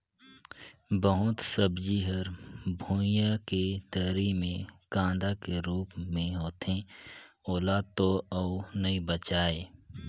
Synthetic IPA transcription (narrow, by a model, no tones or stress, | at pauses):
bəɦʊt̪səbd͡ʒiɦəɾbʱuːjaket̪əɾimẽkãːnd̪akeɾuːpmẽɦoːt̪ẽ | oːlaːd̪̚t̪oɐnəibət͡ʃaːeː